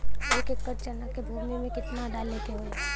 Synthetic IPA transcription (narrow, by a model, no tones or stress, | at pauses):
eːkeːkːəɾt͡ʃənakebʱuːmimẽkɪt̪naɖaːlnekeɦo